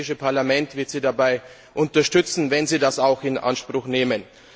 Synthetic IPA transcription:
ɪʃəpʰaɐlamɛntv̥ɪɐtz̥iːdabaɪ | ʔʊntɐʃtʏt͡sn̩vɛnziːdasaʊxɪnʔa̰nʃpʁ̥ʊxneːmən

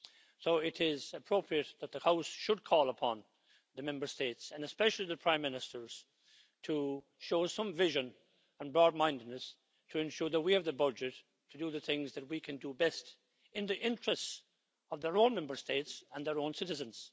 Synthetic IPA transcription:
soʊɪɾɪzɨpʰɹ̥oʊpʰɹiɨt̪̚ðət̪̚ðəhaʊsʃɨd̚kʰɔlˠəpʰɑ̃n | ðɨmɛ̃mbə˞steɪtsə̃nɨspɛʃl̩ˠiðɨpʰɹ̥ãɪ̃mːɪ̃nɨstə˞z̥ | tʰə | ʃoʊsʌ̃ɱvɪʒɨ̃n | ə̃nbɹɔd̚mãɪ̃ndɨdⁿnəs | tʰəɨ̃nʃʊɹðət̚wiɨvðəbʌd͡ʒɨtʰː | ədəðɨθɪ̃ŋzðɨt̚wikʰɨ̃ndəbɛst | ɪ̃nðiʔɪ̃nt͡ʃɹ̥ɨsts | ʌvðə˞õnmɛ̃mbə˞steɪtsə̃nðə˞õʊ̃nsɪɾɨzɨ̃nz̥

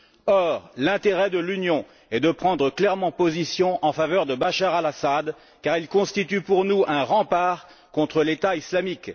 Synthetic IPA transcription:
ɔʁlɛ̃t̪eʁɛd̪əlynjɔ̃ | ɛd̪əpχɑ̃d̪ʁəklɛʁmɑ̃pozisjɔ̃ʔɑ̃favœʁd̪əbaʃaʁalasad̪ | kaʁilkɔ̃st̪it̪ypuʁnuɛ̃ʁɑ̃paːʁ | kɔ̃t̪χəlet̪aislamik

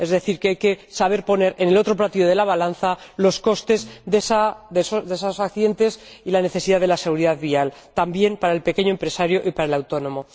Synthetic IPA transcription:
e̞zðe̞θiɾkeajke̞saβ̞e̞ɾpo̞ne̞ɾe̞ne̞lo̞t̪ɾo̞plat̪iðoð̞e̞laβ̞alanθalo̞sko̞st̪e̞zðesaðesoðesosakθiðe̞nt̪e̞silane̞θe̞siðaðe̞lase̞ɣ̞uɾiðaðβialt̪ambje̞mpaɾaelpe̞keɲoempɾe̞saɾjoʔipaɾaelawt̪o̞nõ̞mo̞

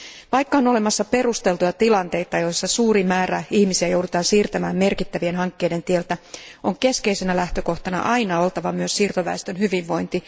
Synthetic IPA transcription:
ʋɑjkːɑonole̞mɑsːɑpe̞rust̪e̞lt̪ujɑt̪ilɑnt̪e̞jt̪ɑjo̞jsːɑsuːrimæːɾæihmisiæjo̞wdut̪ɑːnsiːrt̪æmæːmme̞rkit̪ːæʋie̞nɦɑŋkːeide̞nt̪ielt̪æo̞ŋke̞ske̞ise̞nælæht̪øko̞ht̪ɑnɑ̰ʔɑjnɑo̞lt̪ɑʋɑmyøssiːrt̪oʋæ̰est̪ønhyʋiʋːo̞jnt̪i

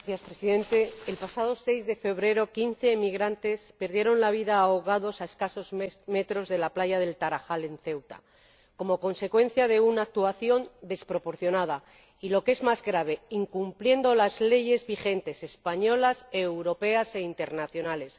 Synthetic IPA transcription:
θjaspɾesiðẽ̞nt̪e̞ːlpasað̞o̞se̞jzðe̞fe̞β̞ɾe̞ɾo̞kinθe̞ːmiɣɾant̪e̞spe̞ɾðje̞ɾo̞nlaβ̞iðaːoɣaðo̞sae̞skaso̞zme̞t̪ɾo̞zðe̞laplaʝaðe̞lt̪aɾaxale̞n̟θe̞wt̪a̰ | ko̞mo̞ko̞nse̞kwe̞n̟θjaðe̞unaːk̚t̪uaθjo̞nd̪e̞spɾo̞po̞ɾθjo̞nað̞a | ilo̞ke̞zmazɣɾaβ̞e̞iŋkumplje̞nd̪o̞lazle̞ʝe̞zβixe̞nt̪e̞se̞spaɲo̞lase̞wɾo̞pe̞ase̞int̪e̞ɾnaθjo̞nale̞s

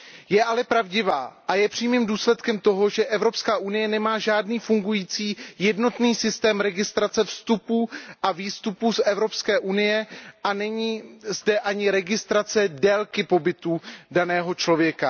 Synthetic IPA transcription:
jɛʔalɛpɾavɟɪvaːʔajɛpr̥iːmiːmduːslɛt̪kɛmt̪o̞ɦo̞ʒɛʔɛvɾo̞pskaːʔunɪjɛnɛmaːʒaːdniːfuŋɡujiːt͡siːjɛdno̞t̪niːsɪst̪ɛːmɾɛɡɪst̪ɾat͡sɛfst̪upuːʔaviːst̪upuːsʔɛvɾo̞pskɛːʔunɪjɛʔanɛɲiːzdɛʔaɲɪɾɛɡɪst̪ɾat͡sɛdɛlkɪpo̞bɪt̪uːdanɛːɦo̞t͡ʃlo̞vjɛka

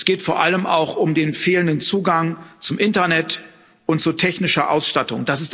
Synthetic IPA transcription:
sɡ̥eːtfoːɐʔaləmʔa̰ʊxʊmdeːnfeːləndənt͡suːɡaŋt͡sʊmʔɪntɐnɛt | ʊnt̚t͡sutʰɛçnɪʃɐʔa̰ʊsʃtatʊŋd̥asɪst

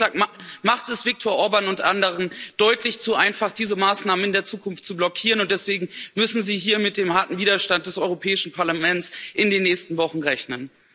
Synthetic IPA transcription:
amaχtɛsv̥ɪk̚tʰoːɐʔɔɐbaːnʊntʔandəʁ̞ənd̥ɔʏtʰlɪçt͡suʔaɪnfaχd̥iːzəmaːsnaːmənɪndeːɐt͡suːkʰʊnftt͡sublɔkʰiːʁənʊntd̥ɛsv̥eːɡŋ̩mʏsn̩ziːɦiːɐmɪt̚d̥eːmhaɐtn̩viːdɐʃtant̚d̥ɛsɔʏʁopʰɛːɪʃn̩pʰaɐlamɛnt͡sʔɪndeːnːɛːçstn̩vɔχn̩ʁɛçnən

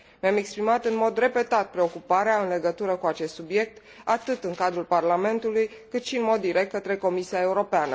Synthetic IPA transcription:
meame̞kspɾimat̪ɨnmo̞d̪re̞pe̞t̪at̪̚pɾe̞o̞kupaɾeaɨnle̞ɡət̪uɾəkuat͡ʃe̞st̪subje̞k̚t̪ | at̪ɨt̪ɨŋkad̪ɾulparlame̞nt̪ulujkɨt̪ʃiɨnmo̞d̪ːiɾʔe̞k̚t̪̚kət̪ɾe̞ko̞misiae̞uɾo̞peanə̰

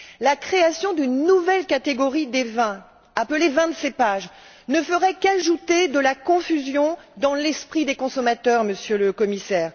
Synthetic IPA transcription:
lakχeasjɔ̃d̪ynːuvɛlkat̪eɡɔʁid̪evɛ̃ | apəlevɛ̃d̪sepaʒ | nəfəʁɛkaʒut̪ed̪əlakɔ̃fyzjɔ̃d̪ɑ̃lɛspχid̪ekɔ̃sɔmat̪œʁməsjøləkɔmisɛːʁ

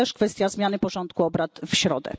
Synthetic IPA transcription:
ɛʂkfɛst̪ʲjazmʲjanɘpɔʐɔnt̪kuɔbɾat̪fɕɾɔd̪ɛ̰

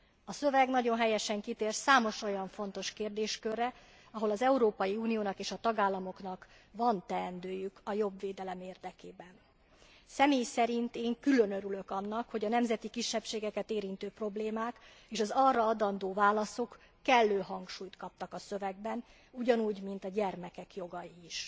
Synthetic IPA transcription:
ɒsø̞vɛɡnɒɟo̞nɦɛjɛʃɛŋkit̪eːrsaːmo̞ʃo̞jɒɱfo̞n̪t̪o̞ʃkeːrd̪eːʃkørːɛ | ɒɦo̞lɒzɛuɾoːpɒjiuːnijoːnɒkeːʃɒt̪ɒɡaːlːɒmo̞kn̪ɒk | vɒnt̪ɛːnd̪øːjykɒjo̞bveːd̪ɛlɛmeːrd̪ɛkeːbɛn | sɛmeːjsɛɾint̪eːŋkylø̞nøɾylø̞kɒnːɒkho̞ɟɒnɛmzɛt̪ikiʃːɛpʃeːɡɛkɛt̪eːɾint̪øːpro̞bleːmaːk | eːʃɒzɒrːɒɒd̪ɒnd̪oːvaːlɒso̞kː | ɛlːøːɦɒŋkʃuːjt̪kɒp̚t̪ɒkɒsø̞vɛɡ̚bɛn | uɟɒnuːɟmint̪ɒɟɛrmɛkɛkjo̞ɡɒjiiʃ

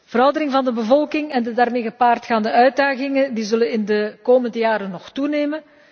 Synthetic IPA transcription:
v̥əɾɑwdərɪŋvɑndəbəvɔlˠkɪŋɛndədaːrmeːɣəpaːrtxaːndəœɥ̚daːɣɪŋəndizɵlənɪndəkoːməndəjaːɾənːɔxtuneːmən

